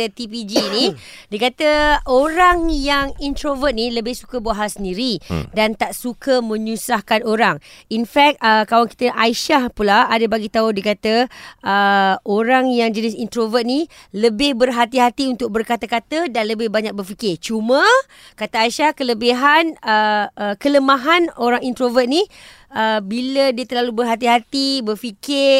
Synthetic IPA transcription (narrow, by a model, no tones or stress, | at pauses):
t̪ipid͡ʒini | dikat̪əoɾaŋjaŋint̪ɾovət̪̚nĩləbɪhsukəbuaɦasəndiɾidant̪aʔsukəmə̃ɲusahkanoɾaŋinfɛk̚t̪̚əkawaŋki̥t̪əʔaiʃahpulaadəbaɡit̪audikat̪əəʔoɾaŋjaŋd͡ʒənɪsint̪ɾovət̪̚niləbɪhbərɦat̪iɦat̪iunt̪ʊk̚bərkat̪akat̪ədanləbɪhbaɲak̚bərfikɪrt͡ʃumə̃ | kat̪aaiʃahkələbiɦanəəkələmaɦanoɾaŋint̪ɾovət̪̚ni | əbilədiət̪ərlalubərɦat̪̬iɦat̪ibərfikɪ